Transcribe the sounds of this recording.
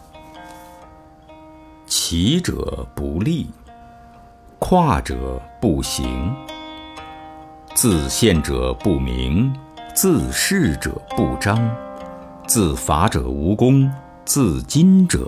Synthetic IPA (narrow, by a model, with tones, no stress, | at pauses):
t͡ɕʰi˧˥ʈ͡ʂɤ̰˨˩˦pu˧˥li˥˩ | kʰwa˥˩ʈ͡ʂɤ̰˨˩˦pu˥˩ɕḭ˧˥ŋ | t͡sɹ̩˥˧ɕjɛ˥˩nʈ͡ʂɤ̰˨˩pu˥˩mḭ˧˥ŋt͡sɹ̩˥˧ʂɻ̩˥˩ʈ͡ʂɤ̰˨˩˦pu˥˩ʈ͡ʂɑ˥ŋ | t͡sɹ̩˥˩fa˧˥ʈ͡ʂɤ̰˨˩u˧˥kʊ˥ŋ | t͡sɹ̩˥˩t͡ɕi˥nʈ͡ʂɤ̰˨˩˦